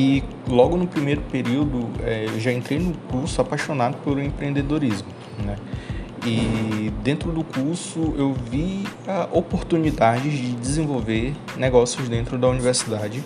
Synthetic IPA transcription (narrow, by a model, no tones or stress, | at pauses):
ɪ | lɔɡʊnʊpɾimejɾʊpeɾiwd̪ʊɛewʒaẽnt̪ɾejnʊkuɾsʊapajʃonad̪ʊpolʊẽpɾẽnd̪ed̪oɾizmʊ | nɛ | ɪd̪ẽnt̪ɾʊd̪ʊkuɾsʊewviaʔopoɾt̪unid̪ad͡ʒɪzd͡ʒɪd͡ʒɪzẽvowveɾ | nɛɡɔsjʊzd̪ẽnt̪ɾʊd̪ɐuniveɾsid̪ad͡ʒɪ